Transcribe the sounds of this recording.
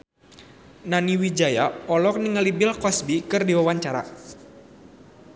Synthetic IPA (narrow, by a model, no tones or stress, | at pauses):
naniwid͡ʒajaɔlɔk̚niŋəlibɪlkɔsbikɨrdiwawaɲt͡ʃaɾa̰